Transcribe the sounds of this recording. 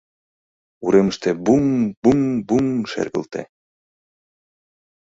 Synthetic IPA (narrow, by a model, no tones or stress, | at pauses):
uɾeməʃt̪ebuŋbuŋbuŋʃḛrɣə̰lt̪ḛ